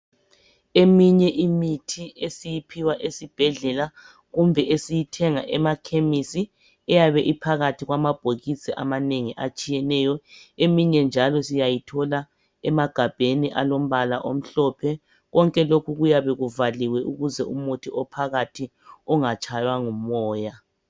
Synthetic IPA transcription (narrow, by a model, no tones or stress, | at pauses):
emiɲɛʔimitʰiesijipʰiwaʔesib̥ʱɛɮɛla | ɣumbʱɛʔesijitʰɛŋaʔɛmakʰemisi | ɛjaβɛʔipʰaɣatʰiɣwamab̥ʱoɣisiʔamaneŋiʔat͡ʃʼijɛnɛːjɔemiɲɛnd͡ʒʱalɔsijajitʰɔla | ɛmaɡ̥ʱab̥ʱeniʔa̰lom̩βalaʔom̩ɬɔpʰɛ | ɣɔŋkʼɛlokʰuɣujaβɛɣuvaliwɛʔuɣuzɛumotʰiʔɔpʰaɣatʰi | ɔŋat͡ʃʼajwaŋumɔːja